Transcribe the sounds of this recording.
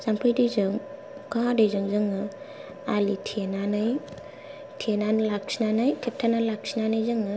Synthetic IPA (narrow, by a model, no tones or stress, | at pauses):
z̥ampʰɯjdɯjzɯŋ | kadɯjzɯŋzɯŋɯ | alitʰenanɯj | tʰenanlak̚sʰinanɯjtʰep̚tʰanalak̚sʰinanajzɯŋɯ